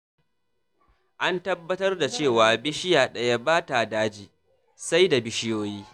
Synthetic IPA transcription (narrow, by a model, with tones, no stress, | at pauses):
ʔa˦ntɐ˦bːɐ˦tɐ˦rda˨t͡ʃeː˦˨waː˨bɪ˦ʃɪ˦jaː˨ɗɐ˨ja˦baː˦ta˨daː˦d͡ʒiː˨ | sa˦jda˨bɪ˦ʃɪ˦joː˦jiː˦